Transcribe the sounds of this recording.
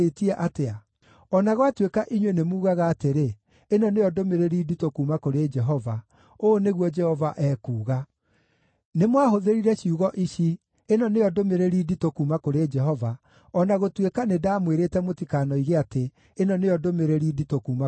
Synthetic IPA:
etiɛʔatea | ɔnaɣwatwekaʔiɲwenemuːɣaɣaːteɾeː | nɔneɔdomeɾeɾiːditokuːmakoɾed͡ʒɛɦɔva | oneɣwɔd͡ʒɛhɔvaʔɛːkuːɣa | nemwaɦoðeɾiɾɛɕiuɣɔʔiʃi | enɔneɔdomeɾeɾiːditokumakoɾed͡ʒɛɦɔva | ɔnaɣotwekanedaːmweɾetɛmotikanɔiɣeateː | nɔneɔdomeɾeɾiːditokuːma

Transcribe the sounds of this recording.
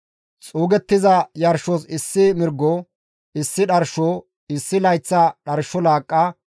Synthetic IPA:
t͡sʼuːɡɛt̪ːɪzɐjɐɾʃosɪsːɪmɪɾɡːɔ | ɪsːɪɗɐɾʃo | ɪsːɪlɐjt͡sːɐɗɐɾʃːɔlaːkʼːɐ

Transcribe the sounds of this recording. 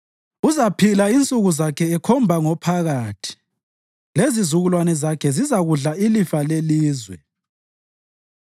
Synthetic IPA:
uzapʰilaint͡sʼuɣuzakʰɛːkʰɔmbʱaŋɔpʰaɣaːtʰi̥ | lezizuɣulwanɛzakʰɛzizaɣuɮailifaleliːzwɛ̰

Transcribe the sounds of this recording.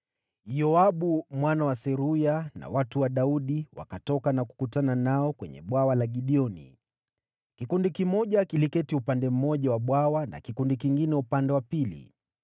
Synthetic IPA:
jɔaɓumwanawasɛɾujana̰watuwaɗauɗiwa̰katɔkanaku̥kutananaɔkwɛ̰ɲɛ̰ɓwawalaɡiɗiɔnḭ | kikundikimɔʄakilikɛtiupandɛm̩mɔʄawaɓwawana̰kikundikiŋɡinɛupandɛwapilḭ

